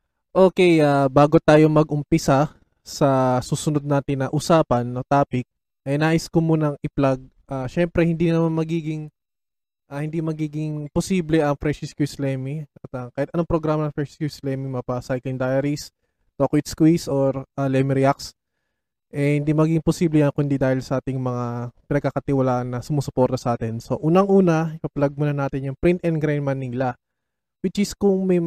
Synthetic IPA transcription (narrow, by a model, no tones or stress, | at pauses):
ʔoːkɛjʔaːbaːɡo̞t̪aːjo̞mɐɡ̚ʔʊmpɪsa | sɐsuːsʊnod̪̚naːt̪ɪnːɐʔʊsaːpɐnːot̪aːpɪk̚ | ʔɐjnaːʔɪskomunɐŋʔɪplaɡ̚ | ʔaːʃɛmpɾɛhɪnd̪innɐmanmɐɡiːɡɪŋ | ʔahɪnd̪imɐɡiːɡɪŋposiːblɛʔɐŋfɾɛʃɪskjuslɛmɪɐɐt̪aŋkɐjat̪ɐnoŋpɾoɡɾaːmɐnɐŋfɾɛʃskjuslɛːmimɐpɐsajklɪnd̪ajɐɾis | t̪okwɪt̪skwisʔoɾʔalɛmɪɾɪaks | ʔɛhɪ̃nd̪imɐɡiːɡɪŋposiːblɛjɐnkʊnd̪id̪aːhɪlsɐʔaːt̪ɪŋmɐŋapɪnɐɡ̚kɐkɐt̪ɪwɐlaːʔɐnːɐsʊmosʊpo̞ɾt̪ɐsɐʔaːt̪ɪnso̞ʔuːnɐŋʔuːnɐɪpɐplɐɡ̚mʊnɐnaːt̪ɪnjʊŋpɾint̪ɛnd̪̚ɡɾajnmɐnːiŋlɐ | wɪt͡ʃɪskʊŋmɐj